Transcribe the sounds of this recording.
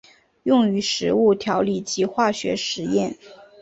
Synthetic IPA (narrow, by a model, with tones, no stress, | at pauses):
jʊ˥˩ŋy˧˥ʂɻ̩˧˥u˥˩t̪ʰjɑ˧˥ʊli˥˩t͡ɕi˧˥xwa˥˩ɕɥɛ̰˧˥ʂɻ̩˧˥jɛ˥˩n